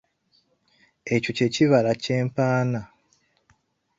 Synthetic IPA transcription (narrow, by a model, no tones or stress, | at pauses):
e̞coce̞ciβalace̞ːmpaːna